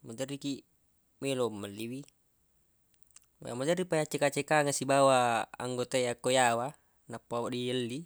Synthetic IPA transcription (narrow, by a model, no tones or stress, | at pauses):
mod͡ʒəriki | melomːəlːiwi | a̰mad͡ʒəripajat͡ʃekat͡ʃekaŋasibawaa̰ŋɡot̪ajakojawa | napːawaʔdiəlːi